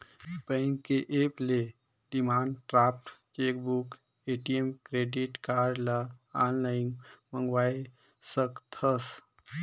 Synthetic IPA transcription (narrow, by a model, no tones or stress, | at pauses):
pəɪŋkeʔeːple | ɖimaːɳɖʈɾaːp̚ʰʈt͡ʃeːkbuk | eːʈiemkɾeːɖiʈkaːɾlaaːnlaːɪnmə̃ŋɡʋaːi | səkt̪ʰəs